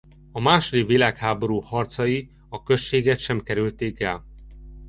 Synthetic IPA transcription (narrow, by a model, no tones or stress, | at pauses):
ɒmaːʃod̪ivilaːkhaːbo̞ɾuːhɒrt̪sɒji | ɒkø̞ʃːeːɡɛt̪ʃɛmkɛɾylt̪eːkɛl